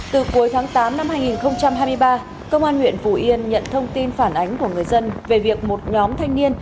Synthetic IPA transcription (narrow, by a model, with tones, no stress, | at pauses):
t̪ɨ˨˩ku˨˦jt̪ʰaː˨˦ŋt̪aː˨˦mna˧mhaː˧jŋi˨˩nxə˧wŋ͡mt͡ɕa˧mɦaː˧jmɨ˧əjɓaː˧ | kə˧wŋ͡mʔaː˧nwḭ˧˨ənfu˧˩ʔi˧ənɲə̰˧˨nt̪ʰə˧wŋ͡mt̪i˧nfaː˧˩nʔa˨˦jŋ̟ku˧˩əŋɨ˨˩əjzə˧nve˨˩vi˨˩ək̚mo˨˩t̚ɲɔ˨˦mt̪ʰa˧jŋ̟ni˧ən